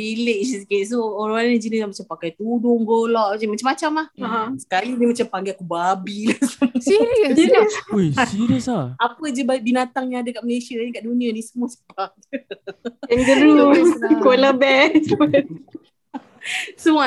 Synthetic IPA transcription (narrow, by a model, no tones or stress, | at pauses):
ileʔsiskest̪uoɾaanid͡ʒənislahmat͡ʃampakajt̪udʊŋɡolɔʔmat͡ʃamat͡ʃamːat͡ʃamlahɦsə̥kalidəmat͡ʃampaŋɡeakubabilasiɾid͡ʒənisiɾisaapəd͡ʒəbabinat̪aŋɲãadakaʔməlesiaaɲikaʔdunianisəmuasəba | ɛŋɡəɾukoləbɛs | səmua